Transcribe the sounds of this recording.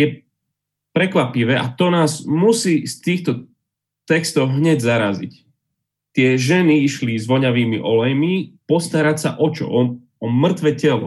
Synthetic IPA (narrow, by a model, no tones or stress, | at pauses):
jɛ | pɾɛkʋapiʋɛːʔat̪ɔnaːzmusiːst̪iːxt̪ɔ | t̪ɛkst̪ɔʊɦɲɛɟzaɾa̰zḭc | t̪ɪɛʒɛniiʃlizʋɔɲaʋiːmiʔɔlɛjmipɔst̪aɾacsa̰ʔɔt͡ʃɔ̰ʔɔ | ɔmr̩t̪ʋɛcɛlɔ̰